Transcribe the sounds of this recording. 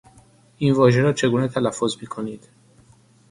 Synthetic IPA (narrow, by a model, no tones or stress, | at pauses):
invɒːʒeɾɔːt͡ʃʰe̞ɡuːnet̪ʰælæfːozmiːkʰoniːd̪̥